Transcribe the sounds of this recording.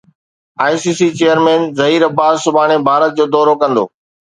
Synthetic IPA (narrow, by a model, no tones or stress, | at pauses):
aːisiːsiːt͡ɕeːjəɾmẽːnzɐɦiːɾɐbaːzsʊbʱaːɽ̃ebʱaːɾət̪̚d͡ʑoːd̪ɔːɾokɐ̃nd̪o̰ː